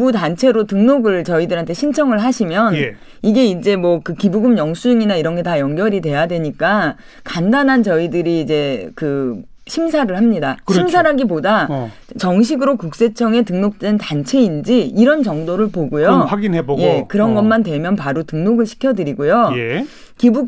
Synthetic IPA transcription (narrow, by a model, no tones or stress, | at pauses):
butant͡ɕʰe̞ɾotɯŋnoɡɯɭt͡ɕʌidɯɾɦantʰeɕʰint͡ɕʰʌŋɯɭɦaɕʰimjʌn | iɡe̞ind͡ʑe̞mwʌkɯkibuɡɯmjʌŋsʰuŋinaiɾʌnɡe̞tajʌŋɡjʌɾidwe̞jadwe̞ɲik͈a | kandanɦant͡ɕʌidɯɾiːd͡ʑe̞kɯ | ɕʰimsʰaɾɯɭhamɲidakɕʰimsʰaɾaɡipoda | t͡ɕʌŋɕʰiɡɯɾokuk̚s͈e̞t͡ɕʰʌŋe̞tɯŋnok̚t͈entant͡ɕʰe̞ind͡ʑiiɾʌnt͡ɕʌŋdoɾɯɭpoɡojoaɡinebjekɯɾʌnɡʌmandwe̞mjʌnpaɾotɯŋnoɡɯɭɕʰi̥kʰjʌdɯɾiɡojoje | kibu